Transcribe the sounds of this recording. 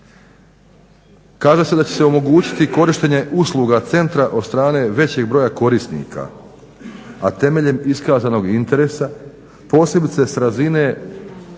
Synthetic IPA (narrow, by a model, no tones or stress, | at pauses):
kaːʒese̞d̪at͡ɕe̞seo̞mo̞ɡuːt͡ɕi̥t̪iko̞ɾiʃt̪e̞ɲe̞ʔuslˠuɡat̪se̞nt̪ɾaʔod̪st̪ɾaːne̞ːʋe̞t͡ɕe̞ɡ̚bɾo̞jako̞ɾist̪nḭːkʰa̰ | at̪e̞me̞ʎe̞miskaːzano̞ɡint̪e̞ɾe̞sa | po̞ːslebit̪se̞sɾazine̞